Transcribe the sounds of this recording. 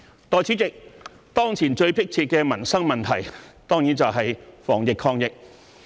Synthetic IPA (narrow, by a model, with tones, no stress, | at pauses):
t̪ɔː˨˩jt͡sʰi˨˥t͡sɪ˨k̚ | t̪ɔː˥ŋt͡sʰiː˨˩nt͡ʃɵ˧ɥpɪ˥k̚t͡sʰiː˧t̚kɛː˧mɐ˨˩nsɐ˥ŋmɐ˨˩nt̪ʰɐ˨˩jt̪ɔː˥ŋjiː˨˥nt͡sɐ˨wɦɐ˨jfɔ̰ː˨˩ŋjɪ˨kʰːɔː˧ŋjɪ˨k̚